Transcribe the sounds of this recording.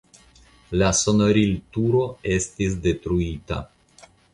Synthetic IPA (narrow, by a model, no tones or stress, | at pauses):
laso̞noɾiltuɾo̞e̞stis̬de̞tɾuita̰